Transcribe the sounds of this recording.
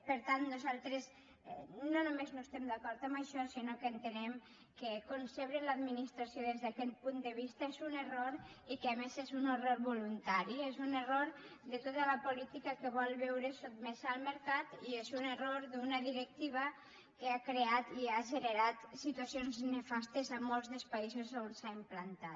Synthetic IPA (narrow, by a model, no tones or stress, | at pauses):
pəɾt̪ant̪nuzalˠt̪ɾes | nonumeznoest̪ɛmd̪akɔɾt̪əmbəʃɔsinokeːnt̪enɛm | kekonseβɾenləad̪minist̪ɾasjoðezðakɛt̪̚pund̪əβ̞ist̪aezuneroɾikemezezuneroɾβulunt̪aɾiezuneroɾd̪ət̪ot̪ələpulit̪ikakeβɔlˠβɛwɾəsot̪mezalˠməɾkat̪iezuneroɾd̪unəðiɾək̚t̪iβ̞ə | keakɾeat̪iaʒenəɾat̪sit̪uasijonznefast̪ezamolˠzðəlˠspaizozaonsaimplant̪at̪